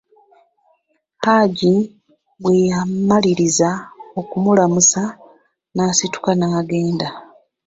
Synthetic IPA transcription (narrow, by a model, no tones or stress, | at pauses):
paːɟi | wejamːaliɾizao̞kumulamusa | naːsitu̥kanaːɡe̞ːnda